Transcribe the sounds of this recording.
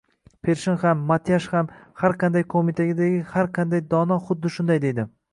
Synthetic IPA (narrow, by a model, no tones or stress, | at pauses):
pʰe̞ɾʃɪnhamːat̪ʰjaʃhamhaɾqʰɑnd̪ajkʰomit̪ʰaɡʲɪd̪aɡʲɪhaɾqʰand̪ajd̪ɒnɒχʊd̪ːɪʃʊnd̪ajd̪e̞jd̪ɪ